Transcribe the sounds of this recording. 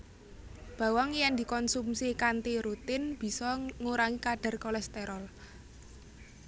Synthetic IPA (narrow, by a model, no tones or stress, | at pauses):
b̥ä̤waŋjɛŋd̪i̤kɔnsumsikant̪iɾut̪ɪnb̥i̤sɔŋuɾaŋikaɖ̥a̤rkɔlɛst̪eɾɔl